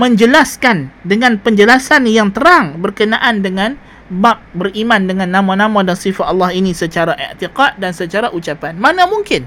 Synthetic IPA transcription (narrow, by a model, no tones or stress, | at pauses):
məɲd͡ʒəlaskandəŋanpəɲd͡ʒəlasanjaŋt̪əɾaŋbərkənaʔandəŋan | bap̚bərimandəŋanːamanamadansifat̪alːahinisət͡ʃaɾaʔḛʕt̪iqat̪̚dansət͡ʃaɾaʔut͡ʃapanmanamuŋkɪn